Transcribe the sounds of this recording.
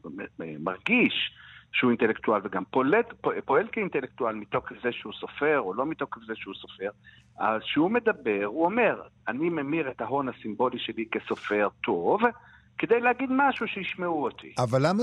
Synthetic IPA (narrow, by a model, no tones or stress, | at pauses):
maʁɡiʃʃehuint̪elekt̪ualveɡampoleppo̞e̞lkeint̪elek̚t̪ualmit̪o̞kefzeʃehuso̞fe̞ʁolo̞mit̪okefzeʃeuso̞fe̞ʁ | ʔa̰zʃeume̞d̪abe̞ʁuo̞me̞ʁanimemiʁet̪haɦo̞nhasimbo̞liʃe̞like̞so̞fe̞ʁt̪ʰo̞v | ke̞d̪ejleaɡid̪maʃuʃejiʃmeuot̪ʰḭavalːama